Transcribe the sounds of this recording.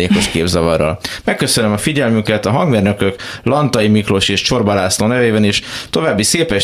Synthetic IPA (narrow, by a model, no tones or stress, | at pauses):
eːko̞ʃkeːbzɒvɒrːɒ̰lmɛkːø̞sønømɒfiɟɛlmykɛt̪ɒɦɒŋɡmeːrnø̞køklɒnt̪ɒjimikro̞ʃeːʃt͡ʃo̞rbɒlaːsloːnɛveːbɛneːʃt̪o̞vaːbːiseːpɛʃ